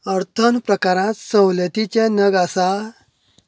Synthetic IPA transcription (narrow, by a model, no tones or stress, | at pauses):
əɾt̪ʰənpɾəkaɾãt̪səwlət̪it͡ɕanəɡasa